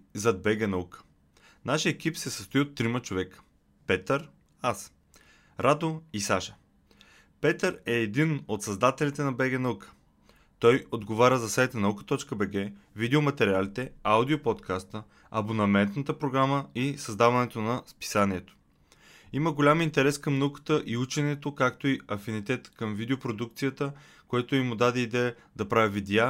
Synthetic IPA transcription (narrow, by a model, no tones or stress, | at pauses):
zɐd̪̚bɛɡɛnɐukə̥ | naʃiɛkipsɛsəst̪ʊiot̪ːɾimət͡ʃovɛkə̥ | pɛt̪əɾ | as | ɾad̪oisaʃə̥ | pɛt̪əɾɛːd̪inot̪sɐzd̪at̪ɛlit̪ɛnɐbɛɡɛnɐukə̥ | t̪ɔjod̪ɡovaɾʲəzɐsajt̪ənɐukə̥t̪ɔt͡ʃkəbɛɡɛvid̪ɛomɐt̪ɛɾʲialit̪ɛawd̪iopot̪kʰast̪ə | ɐ̰bonɐmɛnt̪nət̪əpɾoɡɾaməisɐzd̪avɐnɛt̪onɐspi̥saniɛt̪o̥ | iməɡolʲamint̪ɛɾɛskɐmnɐukə̥t̪əʔiut͡ʃɛnɛt̪okakt̪oiɐfinit̪ɛt̪kɐmvid̪ɛopɾod̪uk̚t̪sijət̪ə | kojɛt̪oimʊd̪ad̪ɛid̪ɛjə | d̪ɐpɾavʲivid̪ɛa